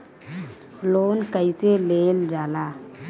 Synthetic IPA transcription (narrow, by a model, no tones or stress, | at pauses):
loːnkəiseleːld͡ʒaːlaː